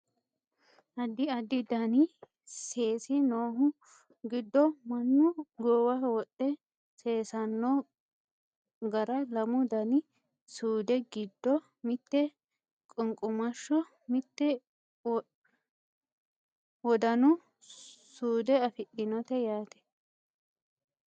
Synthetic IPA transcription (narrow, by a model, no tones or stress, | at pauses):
ʔɐd̪ɪɐd̪ɪd̪ɐnɪ | se̞ːsɪnoːɦʊ | ɡɪd̪ːɔmɐnːʊɡoːwɐwɔɗːɛ | seːsɐnːɔ | ɡɐɾɐlɐmʊd̪ɐnɪ | suːd̪ɛɡɪd̪ːɔ | mɪt̪ːɛ | kʼʊŋkʼʊmɐʃːɔ | mɪt̪ːɛ | wɔd̪ɐnʊ | suːd̪ɛɐfɪɗɪnɔt̪ɛjaːt̪ɛ̥